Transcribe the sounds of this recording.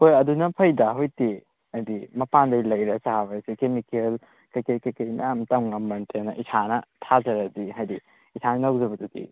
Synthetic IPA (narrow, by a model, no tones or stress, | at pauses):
pojɐdunɐpʰɐjdaɦojti | ɐjdimɐpandɐjlɐjɾɐsaɦabɐsikemikel | kɐjkɐjkɐjkɐjmɐ̰jamtawŋɐmbɐntʰenɐʔisʰanɐtʰazɐɾɐdiɦajdi | isʰanɐnaw̚zɐbɐdudḭ